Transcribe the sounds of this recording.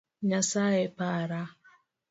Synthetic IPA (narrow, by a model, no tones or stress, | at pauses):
ɲasaepaɾa